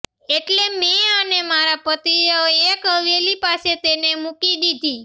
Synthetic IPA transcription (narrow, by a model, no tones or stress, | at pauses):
eʈlemeənemaɾapət̪ioekɦəʋelipaset̪enemukid̪id̪ʱi